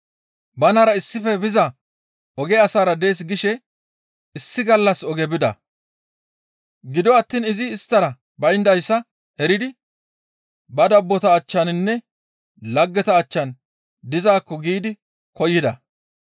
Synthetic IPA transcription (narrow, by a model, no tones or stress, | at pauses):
bɐnɐɾɐɪsːɪfɛbɪzɐ | ɔɡɛɐsaːɾɐd̪e̞ːs̬ɡɪʃɛ | ɪsːɪɡɐlːɐsɔɡɛbɪd̪ɐ̰ | ɡɪd̪ɔɐt̪ːiːnɪzɪːst̪ːɐɾɐ | bɐjnd̪ɐjsːɐ | ɛɾɪd̪ɪ | bɐd̪ɐbːɔt̪ɐːt͡ʃːɐnɪnːɛ | lɐɡːɛt̪ɐːt͡ʃːɐn | d̪ɪzaːkːɔɡiːd̪ɪ | kɔjːɪd̪ɐ